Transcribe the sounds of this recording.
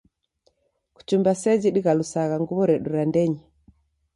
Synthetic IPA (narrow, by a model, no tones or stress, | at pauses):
ku̥t͡ʃumbasɛd͡ʒiɗiɣalusaɣaŋɡuβɔɾɛɗuɾandɛɲi